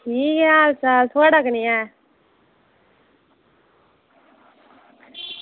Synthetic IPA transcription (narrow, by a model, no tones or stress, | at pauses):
ʈʰiːkɛaːlsaːlt̪ʰoaɽakənia